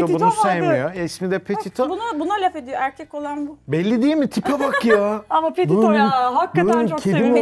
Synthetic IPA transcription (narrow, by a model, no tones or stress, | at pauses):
obunusajmijoɛsmid̪ɛpʰet̪ʰit̪ʰobunabunalʲafed̪ijoæɾcʰɛko̞lˠanbubɛlʲːid̪ijimit̪ʰipʰabakjaːamapebuɦakːatunt͡ʃocʲʰeimo